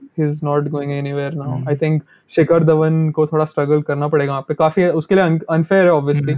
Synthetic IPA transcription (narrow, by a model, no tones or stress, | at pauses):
hiːznɔːʈɡoːɪ̃ŋɡɛniʋeːɾnaʊaːɪt̪ʰɪ̃ŋk | ʃeːkəɾd̪əʋənkot̪ʰoːɽasʈɾɐɡəlkɐɾnapɐɽeːɡaɦaːpːekaːfiʊskelieɐ̃nɐ̃nfeːɾɦɛɔːbʋiəsliː